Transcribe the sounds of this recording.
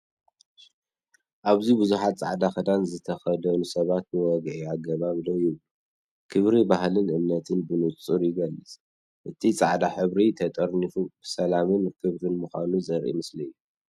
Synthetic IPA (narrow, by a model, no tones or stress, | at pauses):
ʔaβzibɨzuħat̪̚t͡sʼa̰ʕd̪axɐd̪anzɨt̪ʰɐxɐd̪ɐnusɐβat̪̚bɨwɔɡʕiaɡːɐβaβlojɪβlu | kʰɨβɾibahlɨnʔɨmnɐt̪ʰɨnbɨnut͡sʼuɾjɪɡɐlːɨsʼ | ʔɨt̪ʰit͡sʼaʕd̪aħɨβɾit̪ʰɐt̪ʼɐɾnifubsɐlamɨnkʰɨβɾɨnmuxʷanuzʼɐɾʔḭmɨslijːu